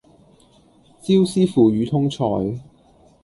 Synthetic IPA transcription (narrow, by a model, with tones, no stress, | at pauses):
t͡siː˥wsiː˥fuː˨˩ɥyː˨˧t̪ʰʊ˥ŋt͡sʰɔ̰ː˨˧j